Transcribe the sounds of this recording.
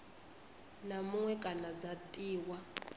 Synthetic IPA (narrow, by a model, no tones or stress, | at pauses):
namuŋwɛk̬ʼanad͡zatʼiːwa